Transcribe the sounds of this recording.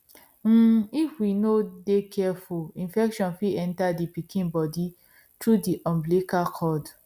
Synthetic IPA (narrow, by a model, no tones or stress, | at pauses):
m̩ifwinodekʰɛɛfulĩnfɛkʃɔ̃nfiɛ̃ntadipikʰĩnbɔdi | tɹudiʔɔ̃mblekakʰɔd